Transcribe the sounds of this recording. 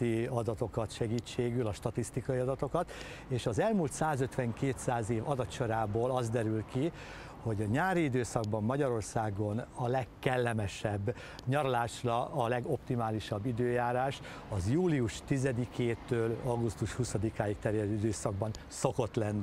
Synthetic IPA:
iɒd̪ɒt̪o̞kɒt̪ʃɛɡiːt͡ʃːeːɡylɒʃt̪ɒt̪ist̪ikɒiɒd̪ɒt̪o̞kɒt̪ | eːʃɒzɛlmult̪saːzøt̪ʋɛŋkeːt̪saːzeːvɒd̪ɒt̪t͡ʃo̞ɾaːboːlɒzd̪ɛɾylki | ho̞ɟɒɲaːɾiid̪øːsɒɡ̚bɒmːɒɟɒɾo̞rsaːɡo̞nɒlɛkːɛlːɛmɛʃɛbː | ɲɒɾolaːʃrɒʔɒlɛɡo̞pt̪imaːliʃɒbːid̪øːjaːɾaːʃ | ɒzjuːliuʃt̪izɛd̪ikʰeːt̪øːlɒɡust̪uʃhusɒd̪ikaːjikt̪ɛɾjɛd̪øːid̪øːsɒɡ̚bɒn | so̞ko̞t̪lɛnː

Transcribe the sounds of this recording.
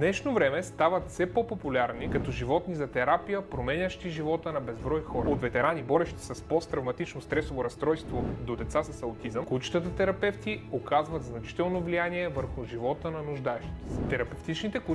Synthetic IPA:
nɛʃnovɾɛmɛst̪avɐt̪sɛpopopʊlʲaɾnikɐt̪ɔʒivɔt̪nizɐt̪ɛɾapijəpɾomɛnʲəʃt̪iʒivɔt̪ənɐbɛzbɾɔjxɔɾəot̪vɛt̪ɛɾanibɔɾɛʃt̪i̥sɐspɔst̪ɾɐvmɐt̪it͡ʃnost̪ɾɛsovoɾɐst̪ɾɔjst̪vod̪od̪ɛt̪sasɐsɐot̪izəmkot͡ʃi̥t̪ət̪ət̪ɛɾɐpɛft̪iokʰazvɐt̪znɐt͡ʃi̥t̪ɛlˠnovlijaniɛvəɾxʊʒivɔt̪ənɐnʊʒd̪aɛʃt̪it̪ɛt̪ɛɾɐpɛft̪it͡ʃnit̪ɛk

